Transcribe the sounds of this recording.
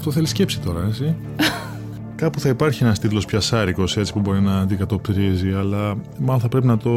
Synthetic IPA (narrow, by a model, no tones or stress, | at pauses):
ft̪o̞θe̞lisce̞psit̪o̞ɾɐet͡si | kɐpuθɐipɐɾçie̞nɐst̪it̪lo̞spçɐsɐɾiko̞se̞t͡si̥pubo̞ɾinɐːnd̪ikɐt̪o̞pt̪ɾiziɐlɐ | mɐloθɐpɾe̞pinɐt̪o̞